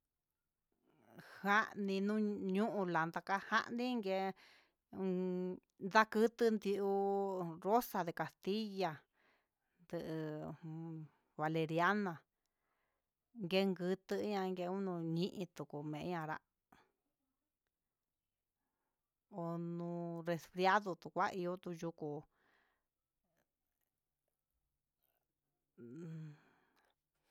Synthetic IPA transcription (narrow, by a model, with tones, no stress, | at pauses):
ha˦ʔnĩ˧nũ˦ɲũ˦ʔũ˧la˨nd̪a˧ka˦ha̰˦ʔnĩ˦ŋɡe˧ | nd̪a˦kɨ˦t̪ɨ˦nd̪i˧ʔu˧ɾo˦sa˧ðe˧ka˨st̪i˦ja˧ | nd̪ɨ˧ʔɨ˧ | βa˨˧le˧ɾja˦nã˨ | ŋɡe˦ŋɡɨ˧t̪ɨ˧˦ɲã˧ŋɡe˧u˦nũ˧ɲĩ˦ʔĩ˧t̪u˨ku˨mẽ˨ʔɲã˧ɾa̰˦ʔ | o˧nũ˧re˧sfɾja˦ðu˧t̪u˧kʷa˦ʔi˧jo˦t̪u˧ju˧ku˧